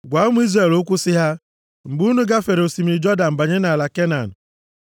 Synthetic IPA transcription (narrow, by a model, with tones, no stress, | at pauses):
ɡʷa˨˦mu˦i˦zre˨lʊ˦kʷʊ˦sɪ˦ɦa˦ | ŋ͡m̩˨ɡ͡bu˦nu˦ɡa˦fe˨ɾo˨si˨m˨i˨d͡ʒɔ˦da˨m̩˨ba˨ɲe˦na˨la˨ke˦na˨n̩˨